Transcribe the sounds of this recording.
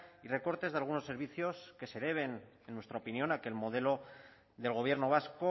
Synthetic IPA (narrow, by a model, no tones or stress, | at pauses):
ire̞ko̞ɾt̪e̞zðealɣ̞unosːe̞ɾβ̞iθjo̞ske̞se̞ðe̞β̞e̞n | enːwe̞st̪ɾaopinjo̞nake̞lmo̞ð̞e̞lo̞ | ðe̞lɣo̞β̞je̞ɾno̞β̞asko